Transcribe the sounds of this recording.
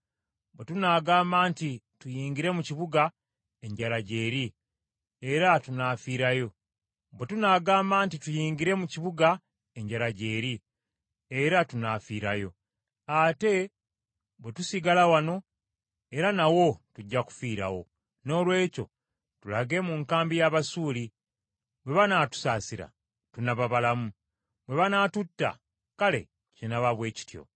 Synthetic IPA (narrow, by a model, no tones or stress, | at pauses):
bwetunaːɡaːmbaːnti | tujiːŋɡiɾe̞muciβuɡa | eɲɟalaɟe̞ːɾi | eɾatunafiːɾajo̞ | βwe̞tunaːɡaːmbaːntitujiːŋɡiɾe̞muciβuɡa | eɲɟaɾaɟe̞ːɾi | eɾatunafiːɾajo̞ | ate̞ | βwe̞tusiɡalawano̞ | eɾanawo̞tuɟːaku̥fiːɾa̰wo̞̰ | no̞ːlwe̞ːco̞̰ | tulaɡe̞muŋkaːmbijaβasuːli | bwe̞βanaːtu̥saːsiɾa̰ | tunaβaβalamu | bwe̞βanatutːa̰ | kale̞̰ | cenaβaβwe̞ːci̥tjo̞̰